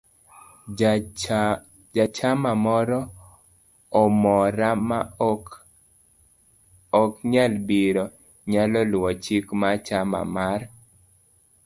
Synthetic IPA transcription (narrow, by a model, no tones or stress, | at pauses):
d͡ʒat͡ʃamamɔɾɔ | ɔmɔɾama | ɔkɲalbiɾɔ | ɲalɔlwɔt͡ʃikmat͡ʃama̰mar